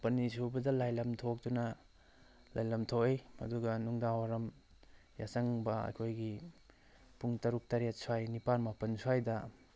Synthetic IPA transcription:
pɐnisubɐdɐlajlɐmtʰok̚dunɐ | lajlɐmtʰoejɐ̰duɡɐnuŋdawaɾɐm | ja̰sɐŋbɐ̰jkʰojɡi | puŋtɐɾuk̚tɐɾet̚swajnipanmapɐnswajdɐ

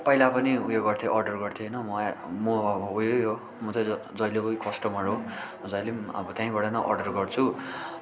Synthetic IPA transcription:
pʌilapʌniujoɡʌrt̪ʰjeʔʌrɖʌrɡʌrt̪ʰjeɦnʌmʌmʌbujoɦo | mʌt̪ʰʌd͡zʌjlkojkʌsʈʌmʌɾɦo | d͡zʌjlemʌ̰bʌt̪jãĩbʌɽanʌʔʌ̰rɖʌrɡʌrt͡sʰu

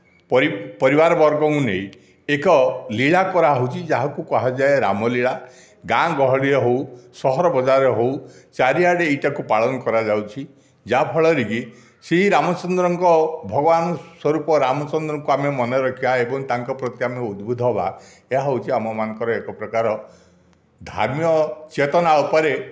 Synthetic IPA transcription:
pɔɾipɔɾibaɾɔbɔɾɡɔkũneĩ | ekɔliɭakɔɾaɦowt͡ʃʰid͡ʒaɦakukɔɦad͡ʒaeɾa̰mɔliɭa | ɡãɡɔɦɔɽiɔɦowsɔɦɔɾɔbɔd͡ʒaɾɔɦowt͡ʃaɾiaɽeiʈakupaɭɔnɔkɔɾad͡ʒawt͡ʃʰi | d͡ʒapʰɔɭɔɾiki | seɦiɾamɔt͡ʃɔnd̪ɾɔŋkɔbʱɔɡɔbanɔswɔɾupɔɾamɔt͡ʃɔnd̪ɾɔŋkuamemɔnɔɾɔkʰibaebɔŋt̪aŋkɔpɾɔt̪iameud̪bʱud̪ʱɔɦɔba̰ | eɦaɦowt͡ʃʰiamɔmanɔ̃ŋkɔɾɔekɔpɾɔkaɾɔ | d̪ʱa̰ɾmjɔt͡ʃet̪ɔnaupɔɾe

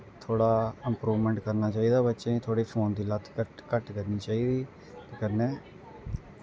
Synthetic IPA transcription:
t̪ʰoːɽaːɪmpɾuːʋmɛ̃ːɳʈkəɾnaːt͡ʃaːiːd̪aːbətːʃẽːt̪ʰoːɽiːpʰoːnd̪iːlət̪ʰːkəkəʈkəɾniːt͡ʃaːiːd̪iː | t̪eːkənːẽː

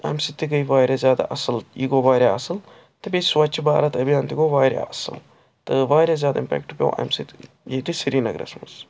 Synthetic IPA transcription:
ɐ̰ːmsit̪ːiɡɐiʋaːɾazʲjaːd̪a̰ʔɐsəljiɡoːʋaːɾjaɐsəl | t̪ɨbisʋɐt͡ʃbaːɾɐt̪ɐbijãːnt̪iɡoːʋaːɾja̰ʔɐsə̰l | t̪ɨʋaːɾazjaːd̪aɪmpɛ̰ːkʈpʲjo̰ʔɐ̰ːmsit̪ | jeːt̪isiɾiːnɐ̰ɡɾɐ̰smɐ̰s

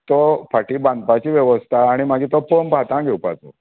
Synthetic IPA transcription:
t̪opʰaʈiːbãnd̪̚pat͡ɕiːʋjɛʋəst̪ʰaːɽ̃imaɡʱiːt̪opombʱat̪ãɡʱewpa̰t͡so̰

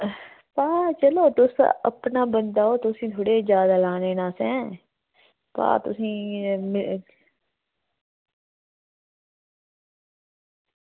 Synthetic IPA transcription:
paːt͡ʃəloːt̪ʊsə̰pnaːbənd̪aːoːt̪ʊsĩːt̪ʰoːɽeːd͡ʒjaːd̪aːlaːneːnãːsɛ̃ː | pa̰ːt̪ʊsĩːmɪ

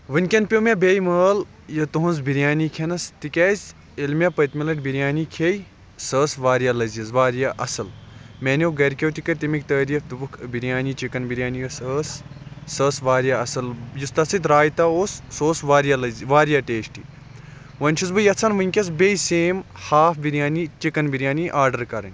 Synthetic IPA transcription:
ʋɨnʲkʲɐnpʲjomʲabʲejməːl | jɐt̪uɦunzbiɾjaːnikʰenɐst̪ikʲɛzʲ | ilmʲapɐt̪milɐʈbiɾjaːnikʰej | səːsʋaːɾjalɐzjizʋaːɾjaʔɐsɨlmenʲowɡɐɾkʲewt̪ikɐɾʲt̪imik̚t̪əːɾifd̪ubɨkʰbiɾʲjaːnit͡ʃikɐnbiɾʲjaːnijɐsəːsːəːsʋaːɾjaɐsɐljust̪ɐsit̪ɾaːjt̪aoːsːoːsʋaːɾjalɐziʋaːɾjaːʈeːʃʈi | ʋɐnʲt͡ʃʰizbɨjɐt͡sʰɐnʋɨŋʲkʲɐs̬bejseːmhaːfbiɾʲjaːnit͡ʃikɐnbiɾjaːniʔaːɾɖɐɾkɐɾɐ̰nʲ

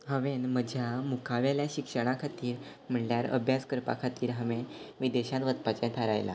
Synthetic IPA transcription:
ɦəʋenməd͡ʑʱjamukʰaʋjaljaɕikʂəɽ̃akʰat̪iːɾ | m̤əɳljaɾə̰bʱjad͡zkəɾpa̰kʰat̪iːɾɦəʋẽʋid̪eɕãʋət̪pat͡ɕãt̪ʰəɾajla̰

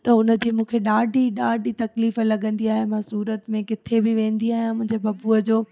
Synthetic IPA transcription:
t̪ɐʊnə̆d͡ʑiːmũːkʰeɗaːɖʱiɗaːɖʱit̪ɐkliːfəlɐɠə̃nd̪iaːɦemãsuːɾət̪mẽkɪt̪ʰebɪʋẽːn̆d̪iaːɦijãmʊ̃ɦɪ̃ɲd͡ʑebɐbuəd͡ʑoː

